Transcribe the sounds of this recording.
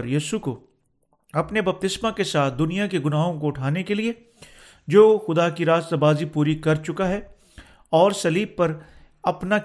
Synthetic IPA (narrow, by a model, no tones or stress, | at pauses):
ɾjiːʃuko | ɐpnebɐp̚t̪ɪsmakesaːt̪̚ʰd̪ʊnijakeɡʊnaːɦõkoʊʈʰaːnekelie | d͡ʒoːxʊd̪akiɾaːst̪əbaːzipuːɾikɐɾt͡ʃʊkaɦɛ | ɔːɾsɐliːb̚pɐɾ | ɐpna